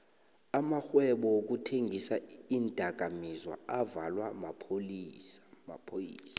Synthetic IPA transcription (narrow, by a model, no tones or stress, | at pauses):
amaxwɛɓɔok̬utʰeŋɡʱisaiːndʼʱaɡ̥ʱamizwa̰avalwamapʰolisma̰pʰojiːsḁ